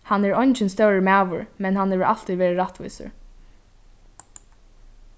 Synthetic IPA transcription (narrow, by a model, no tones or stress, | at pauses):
hanːɛːɹɔjnt͡ʃɪnst̪œwɾəmæːʋʊ̰ɹmɛnɦanhɛːʋəɹʔa̰l̥t̪iʋɛːɹɪɹaht̪vʋṵjsə̰ɹ